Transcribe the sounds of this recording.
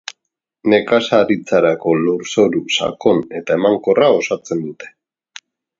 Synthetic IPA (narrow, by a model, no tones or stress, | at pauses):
ne̞kasaɾit͡saɾako̞loɾso̞ɾusa̰ko̞ne̞t̪ae̞maŋko̞rao̞sat͡se̞nd̪ut̪e̞̥